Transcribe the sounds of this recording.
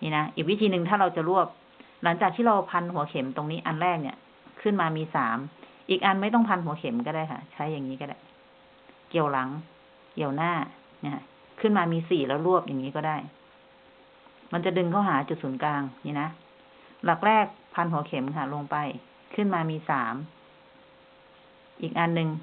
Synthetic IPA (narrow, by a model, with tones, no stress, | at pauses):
niː˧˩˨na˦˥ʔiː˨˩k̚wi˦˥t̪ʰiː˧nɯ˨˧ŋt̪ʰaː˥˩ɾa˧wt͡ɕa˨˩ɾu˥˩əp̚ | la˩˦ŋt͡ɕaː˨˩k̚t̪iː˥˩ɾa˧wpʰa˧nɦu˩˦ɐkʰe˩˦mt̪o˧ŋniː˦˥ʔa˧nɾɛː˥˩k̚nḭ˥˩ | kʰɯ˥˩nmaː˧miː˧saː˩˦m | ʔiː˨˩k̚ʔa˧nma˥˩jt̪ɔ˥˩ŋpʰa˧nɦu˩˦kʰe˨˩˦mkɔː˥˩daː˥˩jkʰa̰˥˩t͡ɕʰa˦˥jːa˨˩ŋːiː˦˥kɔ˥˩da˥˩j | ki˨˩əwla˩˦ŋ | ki˨˩əwnaː˥˩ | na˧˩a˦˥ | kʰɯ˥˩nmaː˧miː˧siː˨˩lɛ˦˥wɾu˥˩əp̚ja˨˩ŋːiː˦˥kɔː˥˩daː˥˩j | ma˧nt͡ɕa˨˩dɯ˧ŋkʰa˥˩wɦaː˩˦t͡ɕu˨˩t̪̚suː˩˦nklaː˧ŋɲiː˧˩na˦˥ | la˨˩k̚lɛː˥˩k̚pʰa˧nɦu˩˦ɐkʰe˩˦mkʰa˧˥˩lo˧ŋpa˧j | kʰɯ˥˩nmaː˧miː˧saː˩˦m | ʔiː˨˩k̚ʔa˧nːɯ˧ŋ